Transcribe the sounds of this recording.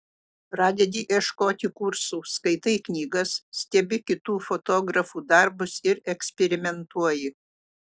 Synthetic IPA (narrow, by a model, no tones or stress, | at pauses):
pɾɑːd̪ʲɛd̪ʲiːʔiɛʃkoːt̪ʲɪkʊɾsuːskɐɪt̪ɐɪknʲiːɡɐssʲt̪ʲɛbʲɪkʲɪt̪uːfot̪oːɡɾɐfuːd̪ɐɾbʊsɪɾɛksʲpʲɛɾʲɪmʲɛnt̪uɔjɪ